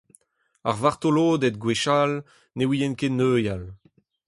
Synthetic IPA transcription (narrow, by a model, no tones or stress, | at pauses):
a̰ʁvaʁt̪oloːd̪ɛd̪̚ɡweʃal | newijɛnkenøːjal